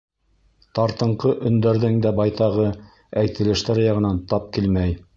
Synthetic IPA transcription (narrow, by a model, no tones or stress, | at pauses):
t̪ɑɾt̪ɤ̆ɴqɤʔɵ̆nd̪æɾðɘŋd̪æbɑjt̪ɑʁɤ | æjt̪ɘ̆lɘ̆ʃt̪æɾjɑʁɤ̆nɑnt̪ɑp̚kilmæj